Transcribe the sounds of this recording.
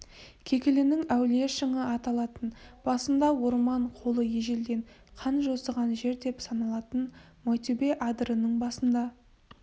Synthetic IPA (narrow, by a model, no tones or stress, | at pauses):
kʲʰe̞kʲɪlɪnɪŋæwle̞ʃəɴəɑt̪ɑlˠɑt̪ənb̥ɑsənd̪ɑwo̞ɾmɑɴqʰo̞lˠəjeʒeld̪e̞ɴ | qʰɑnʒo̞səʁɑnʒe̞ɾd̪e̞psɑnɑlˠɑt̪ən | mojt̪ebe̞ʔɑd̪ɾənəɴbɑsənd̪ɑ